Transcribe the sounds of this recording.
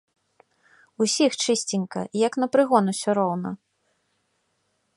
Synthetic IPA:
usʲixt͡ʂɨsʲt͡sʲinʲkɐ̰jɐknɐpɾɨɣɔnusʲɔɾɔwn̪ɐ

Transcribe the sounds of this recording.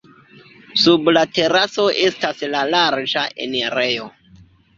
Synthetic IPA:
sublate̞ɾaso̞ʔe̞staslalaɾd͡ʒaʔḛneɾejo

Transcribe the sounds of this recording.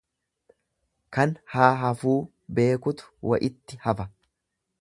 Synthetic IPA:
kɐnhaːɦɐfuː | be̞ːkʊt̪ʊ̥wɐ̰ʔɪt̪ːɪhɐfɐ

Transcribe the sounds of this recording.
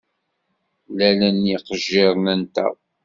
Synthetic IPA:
lælænjiqəʒːɪɾˤnænt̪æ̰

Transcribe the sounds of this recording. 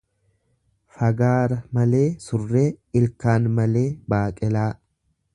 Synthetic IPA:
fɐɡaːɾɐmɐle̞ːsʊrːe̞ːɪlkaːnmɐle̞ːbaːkʼɪlaː

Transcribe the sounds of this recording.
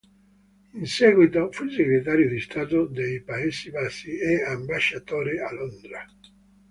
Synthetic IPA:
insɛːɣwit̪ofuilseɡɾet̪̬aːɾjod̪ist̪aːt̪od̪ejpaesibasːieambaʃːat̪oːɾialond̪ɾa

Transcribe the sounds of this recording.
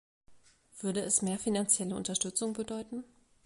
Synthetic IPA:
v̥ʏɐdəɛsmeːɐfinant͡sjɛləʊ̰ntɐʃtʏt͡sʊŋbədɔʏtn̩

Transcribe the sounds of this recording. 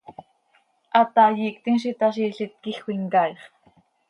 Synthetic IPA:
ʔɑt̪ɑjiːk̚t̪inʃ̬it̪aʃ̬iːɬit̪̚kixʷiŋkɑjχ

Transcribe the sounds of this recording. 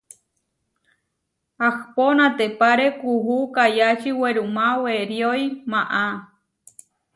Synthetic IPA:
ahponãt̪epaɾekuɦukajat͡ʃiweɾumaweɾjojmãʔa

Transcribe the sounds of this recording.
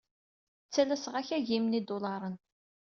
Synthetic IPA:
t͡sːælæsʁæçæʝimnid̪ʊlɑɾˤən

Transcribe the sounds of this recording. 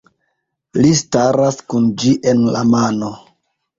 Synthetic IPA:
listaɾaskund͡ʒiʔe̞nla̰mano̞

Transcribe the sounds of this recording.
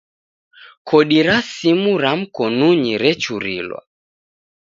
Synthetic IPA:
kʰɔɗiɾasimuɾam̩kɔnuɲiɾɛt͡ʃuɾḭlwa̰

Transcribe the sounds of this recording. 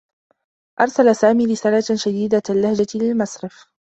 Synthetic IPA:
ʔɑɾˤsalasaːmiːɾɪsaːlaʃad̪iːd̪aalːahd͡ʒalɪlmasɾɪf

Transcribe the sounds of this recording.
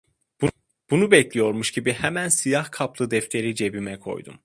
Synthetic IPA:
b̥unubɛclʲijo̞ɾmuʃɟibihɛmænsijahkʰaplˠɯd̪ɛft̪ʰe̞ɾid͡ʒe̞bimɛkʰo̞̰jd̪ṵm

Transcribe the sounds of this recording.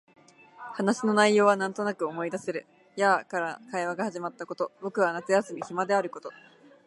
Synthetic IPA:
hanaɕino̞naijo̞ːβanãnt̪o̞nakɯ̟o̞mo̞id̪ase̞ɾɯ̟ | jakaɾakaiβaɡahaʑimat̪ːako̞t̪o̞bo̞kɯ̟β̞anat͡sɨjasɨmʲiçimad̪e̞aɾɯ̟ko̞t̪o̞

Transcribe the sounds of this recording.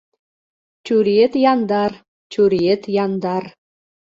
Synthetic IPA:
t͡ɕuɾiet̪jɑnd̪ɑr | t͡ɕuɾiet̪jɑnd̪ɑr

